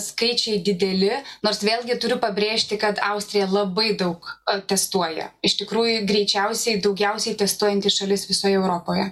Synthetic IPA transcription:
skɐɪt͡ʃʲɛɪd̪ʲɪd̪ʲɛlʲɪnoːɾsʋʲeːlʲˠɡʲɪt̪ʊɾʲʊpɐbʲɾʲeːʃʲt̪ʲɪkɐt̪ɐʊsʲt̪ʲɾʲɪjɛlˠɐbɐɪd̪ɐʊkt̪ʲɛst̪uɔjɛ̰ɪʃt̪ʲɪkɾuːjʊɡɾʲɛɪt͡ʃʲɛʊsʲɛɪd̪ɒʊɡʲɛʊsʲɛɪt̪ʲɛst̪uɔjɛnʲt̪ʲɪʃɐlʲɪsʋʲɪsoːjɛɛʊɾoːpoːjɛ

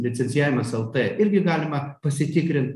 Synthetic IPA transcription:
lʲɪt̪sʲɛnʲɪjæːʋʲɪmɐsɛlˠt̪ɛʔɪɾʲɡʲɪɡɑːlʲɪmɐpɐsʲɪt̪ʲɪkɾʲɪnt̪

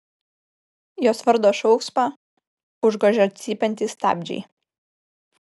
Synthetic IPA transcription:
joːsʋɐɾd̪oːʃɔʊkspɑː | ʊʒɡoːʒʲɛɐt̪ʲsʲiːpʲɛnʲt̪ʲɪst̪ɑ̰ːbʲd͡ʒʲɛ̰ɪ

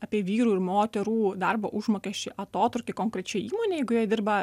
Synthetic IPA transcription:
ɐpʲiːʋʲiːɾuːɪɾmoːt̪ʲɛɾuːd̪ɐrboːʔʊʒmoːkʲɛʃʲt͡ʃʲɪʔɐt̪oːt̪ɾʊkʲeːkoːŋkɾʲɛt͡ʃʲɛiːmoːnʲeːjɛɪɡʊjiɛd̪ʲɪrbɐ

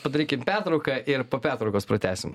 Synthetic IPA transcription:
pɐd̪ɐɾʲiːkʲɪmpʲæɾt̪ɾɐʊkɐʔɪɾpoːpʲæːɾt̪ɾɐɔʊkoːspɾɐt̪ʲæːsʲɪm

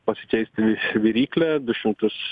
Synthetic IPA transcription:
pɐsʲɪ̥t͡ʃʲɛɪsʲt̪ʲɪʋʲʋʲɪɾʲiːklʲɛd̪ʊʃʲɪmt̪ʊs

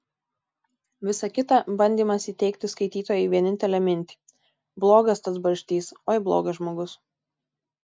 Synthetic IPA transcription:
ʋʲɪsɐkʲɪt̪ɐˑbɐnʲd̪ʲiːmɐsiːt̪ʲɛɪkt̪ʲɪskɐɪt̪ʲiːt̪oːjɛɪʋʲiɛnʲɪnʲt̪ʲɛlʲɛmʲɪnʲt̪ʲiː | blˠoːɡɐst̪ɐsbɐɾʲʃʲt̪ʲiːsoːɪblˠo̰ːɡɐʒmoːɡʊs

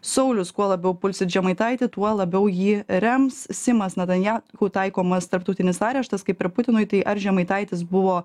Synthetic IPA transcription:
sɐʊlʲʊskuɔlˠɐbʲɛʊpʊlʲsʲɪt̪ʒʲɛmɐɪt̪ɐɪt̪ʲɪt̪uɔlˠɐbʲɛʊjiːɾʲɛmssʲɪmɐsnʲɐɛt̪ɐnʲjæːkuːt̪ɐɪkoːmɐst̪ɐɾp̚t̪ɐʊt̪ʲɪnʲɪsɑːɾʲɛʃt̪ɐskɐɪpʲɪɾpʊt̪ʲɪnʊɪt̪ɐɪʔɐɾʒʲɛmɐɪt̪ɐɪt̪ʲɪsbʊʋoː

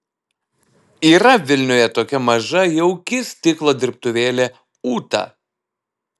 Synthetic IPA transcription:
iːɾɐʋʲɪlʲnʲʊːjɛt̪oːkʲɛmɐʒɐjɛʊkʲɪst̪ʲɪklˠoːd̪ʲɪɾp̚t̪ʊʋʲeːlʲeː | uːt̪ɑ̰

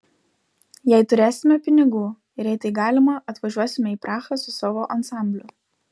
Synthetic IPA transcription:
jæˑɪt̪ʊɾʲeːsʲɪmʲɛpʲɪnʲɪɡuː | ɪɾjɛɪt̪ɐɪɡɑːlʲɪmɐʔɐt̪ʋɐʒʲuɔsʲɪmʲɛiːˑpɾʔɑːxɐsʊsoːʋoʔɐnsɑˑmʲbʲlʲʊ

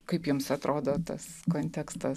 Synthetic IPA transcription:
kɐɪpjɪmsɐt̪ɾʔoːd̪oːt̪ɐ̰skoːnʲt̪ʲɛkst̪ɐ

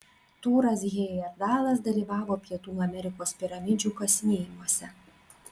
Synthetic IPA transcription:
t̪uːɾɐs̬ɡʲeːjɛɾd̪ɑːlˠɐs̬d̪ɐlʲiːʋɑːʋoːpʲiɛt̪uːɐmʲɛɾʲɪkoːspʲɪɾɐmʲɪd͡ʒʲuːkɐsʲnʲeːjɪmuɔsʲɛ

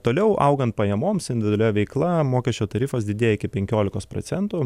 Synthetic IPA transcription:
t̪oːlʲɛʊʔɐʊɡɐnt̪̚pɐjɛmoːmsɪnd̪ʲɪd̪ʲɛlʲɛʋʲɛɪklˠɐmoːkʲɛʃʲt͡ʃʲoːt̪ɐɾʲiːfɐsd̪ʲɪd̪ʲeːjɪkʲɪpʲɛŋʲkʲoːlʲɪkoːspɾo̰ːtsʲɛnt̪uː

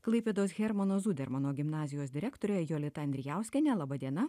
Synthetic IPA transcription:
klˠɐɪpʲeːd̪oːsɣʲɛɾmɐnoːzuːd̪ʲɛɾmɐnoːɡʲɪmnɑːzʲɪjoːsd̪ʲɪɾʲækt̪oːɾʲojɛjoːlʲɪt̪ɐɐnd̪ʲɾʲɪjæˑʊsʲkʲɛnʲɛlˠɑbɐd̪ʲiɛnɐ

